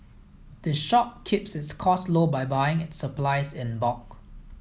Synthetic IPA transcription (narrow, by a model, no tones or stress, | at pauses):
d̥əʃɔp̚kʰɪpsɪtskʰɔslobajbajɪ̃ŋɪtsəplaɪsɪ̃nbɔk̚